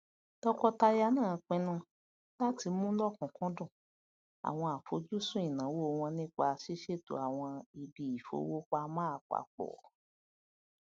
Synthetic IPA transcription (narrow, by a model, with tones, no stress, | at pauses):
tɔ˦kɔ˧ta˧ja˧˦nãː˦˨˧k͡pɛ̃˧˦nũ˧ | la˦ti˧˦mũ˦lɔ˦˨kɔ̃˨kɔ̃˦dũ˦˨ | a̰˨w̃ɔ̃˧a˨fo˨˦d͡ʒu˦sũ˦i˦˨nã˨˦wo˦˧w̃ɔ̃˧nĩ˦k͡pa˧ʃi˦ʃe˦˨to̰˨a˨w̃ɔ̃˧i˨bi˨i˨fo̰˨˧˦wo˦k͡pa˦mãː˦a˨k͡pa̰˨k͡pɔ̰˨